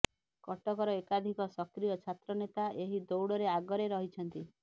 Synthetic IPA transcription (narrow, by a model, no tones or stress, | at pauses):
kɔʈɔkɔɾɔekad̪ʱikɔsɔkɾijɔt͡ʃʰat̪ɾɔnet̪aʔeɦid̪owɽɔɾeaɡɔɾeɾɔɦit͡ʃʰɔnt̪i